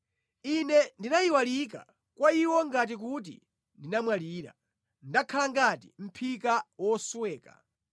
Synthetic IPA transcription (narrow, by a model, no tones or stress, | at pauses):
inɛndinajiwalik̬a̰ | kwaiwɔŋɡat̬ik̬ut̬ḭ | ndinamwaliːɾa̰ | ndakʰalaŋɡatim̩pʰikawɔswɛːka̰